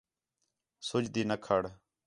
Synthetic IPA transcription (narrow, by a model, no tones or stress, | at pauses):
sʊd͡ʒd̪iːnəkʰəɽ